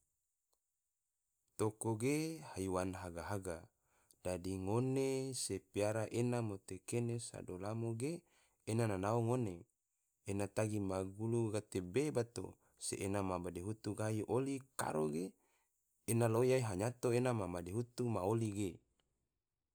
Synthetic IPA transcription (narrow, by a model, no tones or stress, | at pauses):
t̪okoɡehaiwanɦaɡaɦaɡa | d̥adiŋonesepiaɾaʔenamot̪ekenesa̰dolamoɡeː | nananaoŋone | enat̪aɡimaɡuluɡat̪ebebat̪o̰ | sḛʔenamabadeɦut̪uɡaiʔolika̰ɾoɡeː | nalojaiɦaɲat̪oenamamadeɦut̪umaoliɡe